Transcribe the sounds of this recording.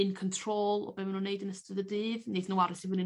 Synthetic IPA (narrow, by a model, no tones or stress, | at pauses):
ɨnkʰɔntʰr̥oːlˠɔ̰bɛːmənunːejdənəstəðədɨːvneθnəwaɾəsivənɪ